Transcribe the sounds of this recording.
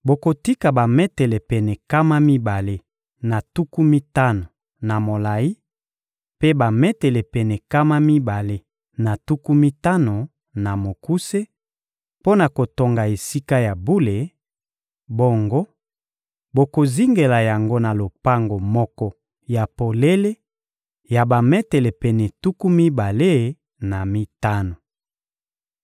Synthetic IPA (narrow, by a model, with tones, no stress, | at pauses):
bo˨ko˨ti˦ka˨ba˨mɛ˦tɛ˨le˨pɛ˨nɛ˨ka˦ma˦mi˦ba˨le˦ | na˨tu˦ku˦mi˦ta˦no˨ | na˨mo˨la˨i˦ | pe˦ba˨mɛ˦tɛ˨le˨pɛ˨nɛ˨ka˦ma˦mi˦ba˨le˦ | na˨tu˦ku˦mi˦ta˦no˨ | na˨mo˨ku˦se˦ | po˦na˨ko˨to˨ŋɡa˨e˨si˦ka˦ja˨bu˦le˨ | bo˦ŋɡo˦ | bo˨ko˨zi˦ŋɡe˨la˨ja˨ŋɡo˦na˨lo˨pa˦ŋɡo˨mɔ˦kɔ˦ | ja˨po˨le˦le˦ | ja˨ba˨mɛ˦te˨le˨pɛ˨nɛ˨tu˦ku˦mi˦ba˨le˦ | na˨mi˦ta˦no˨